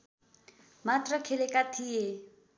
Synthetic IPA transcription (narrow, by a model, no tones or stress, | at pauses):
mat̪rʌkʰelekat̪ʰije